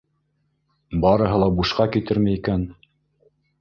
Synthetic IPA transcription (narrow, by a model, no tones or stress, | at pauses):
bɑɾɤ̆ɦɤ̆lˠɑbuʃqɑkit̪ɘɾmæikæn